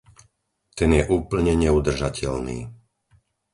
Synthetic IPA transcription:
t̪ɛnjɛʔuːpl̩ɲɛɲɛud̪r̩ʒacʰɛʎnḭː

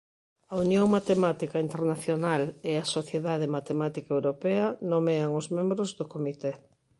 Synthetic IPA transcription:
ɐunjõŋmat̪emat̪ikaint̪eɾnaθjonaleɐsoθjeðaðemat̪emat̪ikaewɾopeɐnomeaŋʊzmẽmbɾozðʊkomit̪e

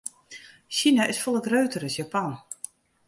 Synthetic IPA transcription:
ʃinaʔɪsfɔlˠəkrøːtəɾəsjapan

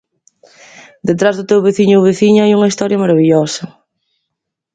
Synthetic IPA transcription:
d̪et̪ɾazðʊt̪ewβeθiɲʊwβeθiɲʊajuŋɐist̪ɔɾjɐmɐɾɐβiʎɔsɐ

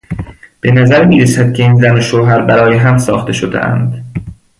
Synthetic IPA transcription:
b̥e̞næzæɾmiːɾesæd̪̥̚cʲʰe̞iːnzænoʃoːɦæɾbæɾɒːjeɦæmsɒːxt̪ʰe̞ʃod̪ḛʔæ̰nd̪

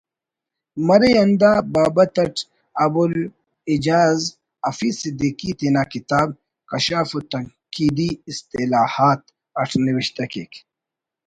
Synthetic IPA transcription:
mɐɾejɐnd̪aːbaːbɐt̪ɐʈ | ɐbul | id͡ʑaːz | ɐfisid̪iːkit̪inaːkit̪aːb | kɐɕaːfut̪ɐŋ | kiːd̪iːst̪ilaːhaːt̪̚ | ɐʈʰniwiɕt̪ɐkḛk

